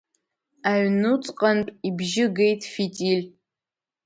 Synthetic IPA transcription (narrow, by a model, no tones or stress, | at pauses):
aɥnut͡sʼqʼantʼibʒɪɡe̞jtʰʼfitʼilʲ